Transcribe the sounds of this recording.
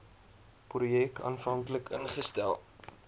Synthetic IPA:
prujɛkʰɑ̰ːnfɐŋkləkənχəstælˠ

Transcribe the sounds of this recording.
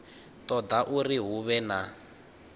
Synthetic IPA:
t̪ɔd̪aʔuriɦuβɛna

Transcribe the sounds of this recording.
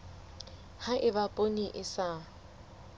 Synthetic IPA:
haʔɪbapʼoniʔɪsa

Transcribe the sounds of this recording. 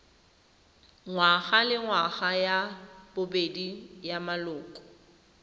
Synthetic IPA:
ŋwaɣalɪŋwaɣajab̥ʊbedijamalʊːkʼɔ̥

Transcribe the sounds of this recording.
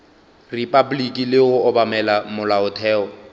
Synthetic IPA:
ripʼablikʼilɪʊɔbamɛlamʊlaʊtʰɛːɔ

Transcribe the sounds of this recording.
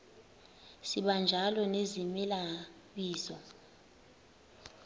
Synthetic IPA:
siɓand͡ʒʱalɔnezimɛla | ɓiːzɔ

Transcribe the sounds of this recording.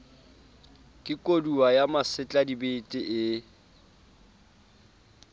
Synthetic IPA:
kʼɪkʼoduwajamasɪt͡ɬʼadibetʼɪʔɪ

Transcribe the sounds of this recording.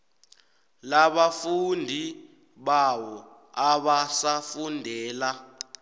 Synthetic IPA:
laɓafundʱi | ɓawɔ | aɓasafundʱɛːla

